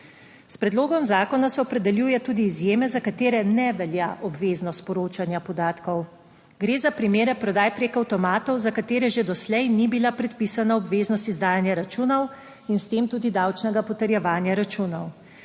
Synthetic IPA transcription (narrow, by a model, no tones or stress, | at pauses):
spɾɛd̪loːɡɔmzaːkɔnasɛɔpɾɛd̪ɛljujɛt̪uːd̪iːzjeːmɛzakat̪eːɾɛnɛʋɛljaʔɔbʋeːznɔst̪pɔɾoːt͡ʃanjapɔd̪aːt̪kɔw | ɡɾeːzapɾimeːɾɛpɾɔd̪aːjpɾeːkawt̪ɔmaːt̪ɔwzakat̪eːɾɛʒed̪ɔslɛjnibilapɾɛt̪piːsanaɔbʋeːznɔst̪izd̪aːjanjaɾat͡ʃuːnɔw | inst̪eːmt̪uːd̪id̪awt͡ʃnɛɡapɔt̪ɛɾjɛʋaːnjaɾat͡ʃuːnɔw